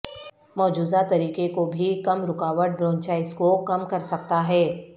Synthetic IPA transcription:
mɔːd͡ʒuːzat̪ɐɾiːkekobʱikɐmɾʊkaːʋəʈ̚bɾɔ̃ːnt͡ʃaːɪskokɐmkɐɾsɐk̚t̪aɦɛː

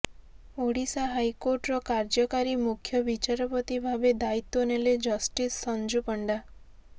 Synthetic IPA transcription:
oɽisaɦajkoɾʈɾɔkaɾd͡ʒɔkaɾimukʰjɔbit͡ʃaɾɔpɔt̪ibʱabed̪ait̪ːoneled͡ʒɔsʈisːɔnd͡ʒupəɳɖa

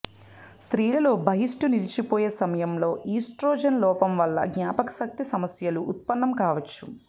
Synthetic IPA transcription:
st̪ɾiːlɐlo̞ːbʱɐɦisʈuniɾit͡ʃipoːjeːsɐmɐjɐmlo̞ːʔiːsʈɾoːd͡ʒɐnlɔːpɐmʋɐlːɐ̰ɡɲaːpɐkɐ̥sɐk̚t̪isɐmɐsjɐluʔːt̪̚pɐnːɐmkaːʋɐt͡ʃːu

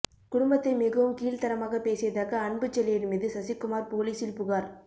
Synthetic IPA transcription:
kʊɽʊmbɐt̪ːɐɪmɪɣɐʋɯmkiːlt̪ɐɾɐmaːɣɐpeːsɪjɐðaːkɐɐɳbɯt͡ʃːɛlɪjɪnmiːðɯsɐsɪkːʊmaːɾpoːliːsɪlpʊɣaːɾ

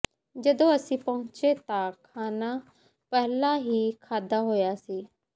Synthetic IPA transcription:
d͡ʒəd̪õːəsĩːpəɦʊ̃t͡ʃet̪ãkʰaːnaː | pɛɦlaɦiːkʰaːd̪aːɦoːjaːsiː

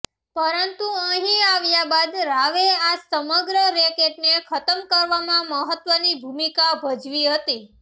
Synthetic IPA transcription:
pəɾənt̪uə̃ɦĩaʋjabad̪ɾaʋeasəməɡɾəɾekeʈnekʰət̪əmkəɾʋamãməɦət̪ʋənibʱumikabʱəd͡ʒʋiɦət̪i

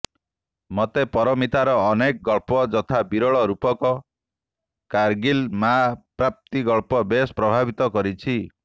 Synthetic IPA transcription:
mɔt̪epɔɾɔmit̪aɾɔːnek̚ɡɔɭpɔd͡ʒɔt̪ʰabiɾɔɭɔɾupɔkɔ | kaɾɡilmapɾap̚t̪iɡɔɭpɔbespɾɔbʱabit̪ɔkɔɾit͡ʃʰi

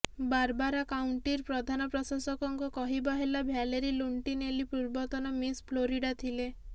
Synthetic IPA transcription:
baɾbaɾakawɳʈiɾpɾɔd̪ʱanɔpɾɔsasɔkɔŋkukɔɦibɔɦelabʱjaleɾiluɳʈinelipɾuɾbɔt̪ɔnɔmispʰloɾiɖat̪ʰile

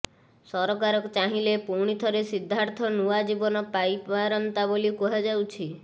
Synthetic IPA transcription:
sɔɾɔk̬aɾɔkɔt͡ʃaɦilepuɽ̃it̪ʰɔɾesid̪ʱːaɾt̪ʰɔnuad͡ʒibɔnɔpajpaɾɔnt̪abolikɔɦad͡ʒawt͡ʃʰi

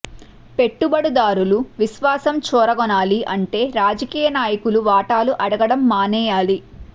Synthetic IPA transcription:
pe̞ʈːubɐɽud̪aːɾuluʋisʋaːsɐmt͡ʃɔːɾɐɡɔnaːliʔɐɳʈe̞ːɾaːd͡ʒɐkiːjɐnaːjɐkuluʋaːʈaːluʔɐɽɐɡɐɽɐmːaːnɛːjaːli

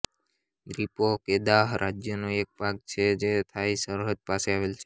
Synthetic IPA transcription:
d̪ɾipoked̪aɦɾʔad͡ʒjənuek̚paɡ̚t͡ʃʰed͡ʒet̪ʰaisəɾɦət̪̚paseaʋelt͡ʃʰe

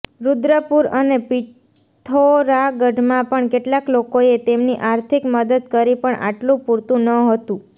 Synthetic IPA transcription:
ɾud̪ɾəpuɾənepi | t̪ʰoɾaɡəɖʱmãpəɳkeʈlaklokoet̪emniʔaɾt̪ʰikməd̪əd̪kəɾipəɳʔa̰ʈlũpuɾt̪ũnəɦət̪ũ

